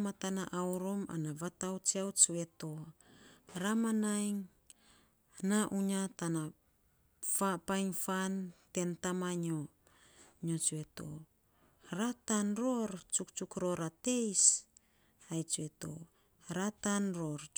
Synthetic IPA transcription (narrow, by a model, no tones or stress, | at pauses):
matanaʔawɾoma̰naβatawt͡ʃiawt͡ʃue̞to̞ | ɾamanajŋ | naʔuɲatana | fapajŋfante̞ntamaɲo | ɲot͡ʃue̞to̰ | ɾatanɾoɾt͡ʃukt͡ʃukɾo̞ɾate̞js | ajt͡ʃueto̞̰ | ɾatanɾoɾ